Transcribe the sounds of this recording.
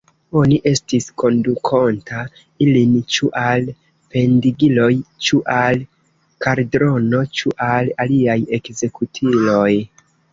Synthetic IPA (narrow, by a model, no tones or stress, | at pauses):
o̞niʔe̞stisko̞ndukʰontʰa | ilint͡ʃuʔal | pe̞ndiɡilo̞jt͡ʃuʔal | kaɾdɾo̞no̞t͡ʃuʔalaliajekze̞kutʰilo̞j